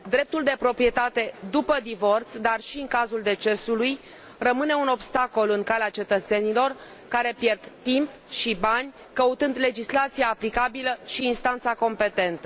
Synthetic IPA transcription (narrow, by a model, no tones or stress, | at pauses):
d̪ɾe̞p̚t̪uld̪e̞pɾo̞pɾije̞t̪at̪e̞d̪upəd̪ivo̞rt̪sd̪arʃiɨŋkazuld̪e̞t͡ʃe̞suluj | rəmɨne̞uno̞bst̪ako̞lɨŋkaleat͡ʃe̞t̪ət̪se̞nilo̞r | kaɾe̞pje̞rd̪t̪imp | ʃibanʲ | kəut̪ɨnd̪le̞d͡ʒislat̪sijaːplikabiləʃiːnst̪ant̪sako̞mpe̞t̪e̞nt̪ə